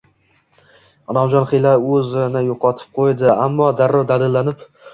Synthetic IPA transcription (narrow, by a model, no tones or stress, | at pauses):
ɒnɒmd͡ʒɒnχɪlaɾɵzɪnɪjoqʰɒt̪ʰɪ̥p̚qʰojd̪ɪamːɒd̪aɾːɒɾd̪alɪlːanɪp